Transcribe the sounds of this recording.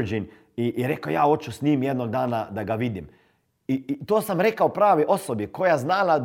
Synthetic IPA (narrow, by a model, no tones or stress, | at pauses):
ɾd͡ʒin | iʔːɾeːkajaːot͡ʃusnʲiːmjɛd̪noɡ̚d̪aːnad̪aɡaʋid̪im | it̪oːsamɾeːkaupɾaːʋiʔosɔbjikojaznaːla